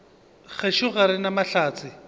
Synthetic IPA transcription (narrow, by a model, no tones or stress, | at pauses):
ɣɛʃʊɣaɾɪnamaɬaːt͡sʰɪ